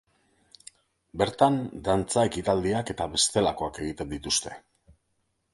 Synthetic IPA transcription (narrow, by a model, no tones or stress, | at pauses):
be̞ɾt̪and̪ant͡sae̞kit̪ald̪iake̞t̪aβe̞st̪e̞lako̞ake̞ɣ̞it̪e̞nd̪it̪ust̪e̞̥